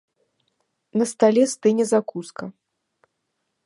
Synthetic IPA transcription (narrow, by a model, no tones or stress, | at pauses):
nɐst̪alʲɛst̪ɨnʲɛzakuskɐ